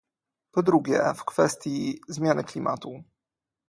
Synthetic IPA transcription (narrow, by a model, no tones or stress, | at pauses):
pɔd̪ɾuɡʲjɛ̰fkfɛst̪ʲjizmʲjanɘklʲimʔa̰t̪u